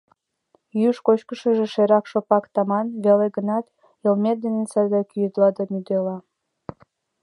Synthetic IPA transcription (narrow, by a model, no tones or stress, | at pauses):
jyʃkot͡ɕkəʃəʒĕʃeɾɑkʃopɑkt̪ɑmɑnβeleɡənɑt̪ | elmʲet̪̚d̪enesɑd̪ɑkyjəd̪lɑd̪ɑmyd̪elɑ